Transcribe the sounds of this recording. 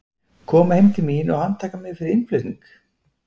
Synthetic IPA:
kʰɔːmahejmt̪ʰɪlmiːnɔɣhant̪ʰaːkamɪðfɪɾɪɾɪnplʏt̪niŋk

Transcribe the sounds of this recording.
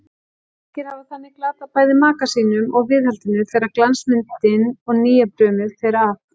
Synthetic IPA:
ɛhcɪɾ̥havaθanːɪklaːt̪apʰaːjðɪmaːkasiːnʏmɔɣvɪːðhalt̪ɪnʏθɛjɾaɾklansmɪnt̪ːɪnɔɣniːjapɾœːmɪðθejɾaa

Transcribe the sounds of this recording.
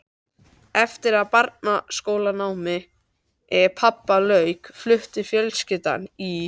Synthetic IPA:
ɛft̪ɪɾaðpaɾt̪̚naskoːwlanaːwmɪ | ɛɾpʰapːalœɥkflʏht̪ɪ̥fjœlscɪt̪a̰ni

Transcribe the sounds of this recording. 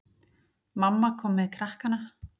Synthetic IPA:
mamːakʰɔːmɪðkʰɾahkana

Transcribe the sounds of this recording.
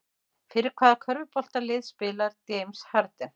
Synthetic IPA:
fɪːɾɪɾ̥kʰvaːðakʰœɾvʏpɔl̥t̪alɪðspɪːlaɾt̪ejmshaɾt̪ɪ

